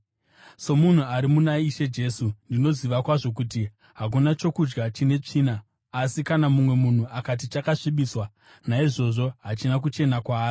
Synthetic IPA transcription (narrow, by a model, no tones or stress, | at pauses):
so̞mun̤uaɾimunaiʃe̞d͡ʒe̞ːsundino̞ziʋakwaʐo̞k̬uti | ɦak̬unat͡ʃo̞kud͡ʒɡat͡ʃine̞t͡ʂiːnaː | sikanamumwe̞mun̤uakat̬it͡ʃakaʂiɓiswa | naiʐo̞ʐo̞ɦat͡ʃinak̬ut͡ʃe̞nakwaːi